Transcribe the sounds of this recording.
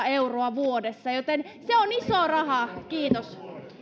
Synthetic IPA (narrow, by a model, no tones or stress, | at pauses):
euroɑʋuodesːɑjot̪en | seonisoːrɑhɑˑkiːt̪os